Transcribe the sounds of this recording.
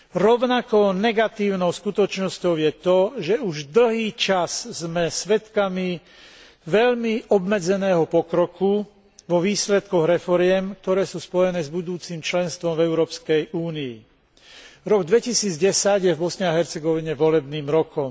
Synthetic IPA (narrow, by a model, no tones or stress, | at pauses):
ɾɔʊnakɔnɛɡat̪iːʊnɔʊskut̪ɔt͡ʃnɔscɔʊjɛt̪ɔʒɛuʒd̪l̩ɦiːt͡ʃaszmɛsʋɛt̪kami | ʋɛʎmiʔɔbmɛd͡zɛnɛːɦɔpɔkɾɔku | ʋɔʋiːslɛt̪kɔɣɾɛfɔɾɪɛmk̚t̪ɔɾɛːsuːspɔjɛnɛːzbud̪uːt͡siːmt͡ʃlɛnst̪ʋɔmvɛʊɾɔːpskɛjʔuːniː | ɾɔɡd̪ʋɛcisiːd͡zɟɛsaɟjɛvbɔsɲɛaɦɛɾt͡sɛɡɔʋiɲɛʋɔlɛbniːmɾɔkɔm